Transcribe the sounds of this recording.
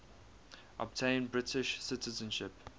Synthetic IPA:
ʔɔ̰b̚tʰẽɪ̃nbɹɪtʰɪʃsɪtəzə̃nʃɪp

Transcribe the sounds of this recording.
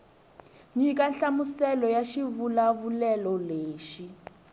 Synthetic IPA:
ɲikanɬamusɛlɔjaʃivulavulɛlɔleːʃi

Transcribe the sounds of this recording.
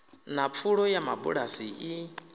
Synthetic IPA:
nap̪fʰuɺɔjamabṵɺasii

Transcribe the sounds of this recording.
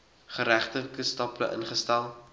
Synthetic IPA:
χəɾæχtəkəstɑpləʔə̰nχəstɛlˠ

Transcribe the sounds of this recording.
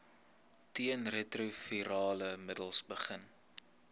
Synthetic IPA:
tiənretrufiɾɑːləmədəlˠsbəχən

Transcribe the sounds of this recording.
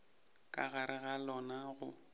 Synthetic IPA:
kʼa̰ɣaɾɪɣalɔnaɣʊ̰

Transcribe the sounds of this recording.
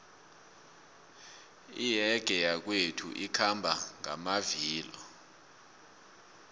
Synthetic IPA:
ijɛɡ̥ʱɛjak̬wetʰṵʔikʰambʱaŋa̰maviːlɔ

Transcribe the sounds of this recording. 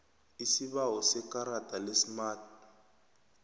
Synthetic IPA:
isiβaɦɔsɛkʼaɾatʼalesmaːt

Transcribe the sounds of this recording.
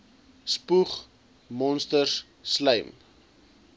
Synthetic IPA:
spuχ | mɔnstərs | sləjm

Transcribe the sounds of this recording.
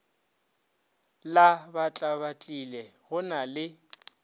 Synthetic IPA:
labat͡ɬʼaβat͡ɬʼilɛɣʊnalɪ

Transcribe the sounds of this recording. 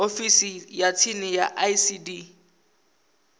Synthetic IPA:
ofisijat͡sʰinɪjaʔaisidi

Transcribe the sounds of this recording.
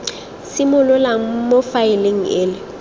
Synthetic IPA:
sɪmʊlʊlaŋ̩mofaɪleŋ̩ɪːlɪ

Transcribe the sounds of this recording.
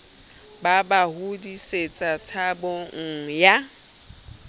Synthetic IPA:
babahudiset͡sʼat͡sʰaboŋ̩ja

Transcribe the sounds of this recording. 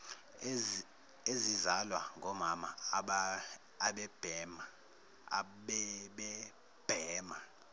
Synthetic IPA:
ezizalwa̰ŋɡʱɔmamaɓː | ɓɛb̥ʱɛma | ɓɛɓɛ | b̥ʱɛːma

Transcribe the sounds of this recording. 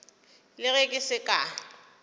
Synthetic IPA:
lɪɣekʼɪsɪkʼa

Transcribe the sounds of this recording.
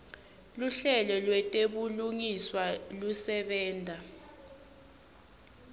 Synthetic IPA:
luɬɛlɔlwɛtʼeɓuluŋiswalusɛɓɛːndʱa

